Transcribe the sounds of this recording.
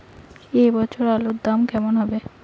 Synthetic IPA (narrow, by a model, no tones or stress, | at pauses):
ejbɔt͡ɕʰoɾalod̪amkɛmonɦɔbe